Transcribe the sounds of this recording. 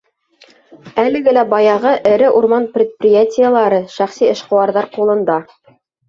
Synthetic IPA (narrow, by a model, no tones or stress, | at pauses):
ælɘ̆ɡɘlæbɑjɑʁɤʔɘ̆ɾɘʔuɾmɑnprʲɪt̪̚prʲɪjatʲɪjəlˠɑɾɤʃæχsiɤ̆ʃqŏwɑɾðɑɾqulˠɤ̆nd̪ɑ